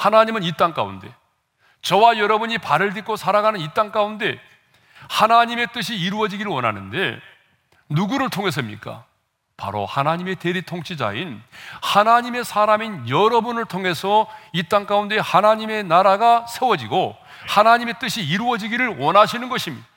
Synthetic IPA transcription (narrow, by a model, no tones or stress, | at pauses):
hanaɲimɯnit͈aŋk͈a̰ṵnde̞̰ | t͡ɕʌwajʌɾʌbuɲipaɾɯɭdik͈osʰaɾaɡanɯnit͈aŋk͈aunde̞ | hanaɲime̞t͈ɯɕʰiːɾuʌd͡ʑiɡiɾɯɭwʌnɦa̰nɯnde̞̰ | nuɡuɾɯɭtʰoŋɦe̞s̬ʰɯmɲḭk͈a̰ | pa̰ɾo̰hanaɲime̞te̞ɾitʰoŋt͡ɕ͈ʰid͡ʑa̰inhanaɲime̞sʰaɾaminjʌɾʌbunɯɭtʰoŋe̞sʰʌit͈aŋk͈aunde̞hanaɲime̞naɾaɡasʰewʌd͡ʑiɡo | hanaɲime̞t͈ɯɕʰiːɾuʌd͡ʑiɡiɾɯɭwʌnɦaɕʰinɯnɡʌɕʰimi